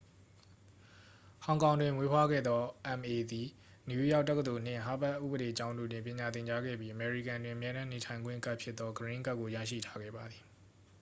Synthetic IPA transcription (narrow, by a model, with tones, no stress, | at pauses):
hã˨ʊ̃ŋkã˨ʊ̃ndwɪ̃˨mwe˦pʰwa˦ɡɛ̰˦˨d̪ɔ˦ʔɛ̃˨mʔe˨d̪i˨ | ni˨u˦ja˦ʊtːɛ˦kːə˨d̪o˨n̥ɪ̰̃˦˨ɦa˦˨pɛ˦ʔːṵ˦˨bə˨ɾe˨t͡ɕã˦ʊ̃ndo̰˦˨dwɪ̃˨mpjɪ̃˨ɲa˨t̪ɪ̃˨ɲt͡ɕa˦ɡɛ̰˦˨bji˦ʔə˨mɛ˨ɹḭ˦˨kã˨ndwɪ̃˨ʔə˨mjɛ˦ɾã˦ne˨tʰã˨ɪ̃ŋɡwɪ̰̃˦˨ka˦ʔpʰjɪ˦t̪ːɔ˦ɡəɹɪ̃˦ŋka˦ʔkːo˨ja̰˦˨ʃḭ˦˨tʰa˦ɡɛ̰˦˨ba˨d̪ði˨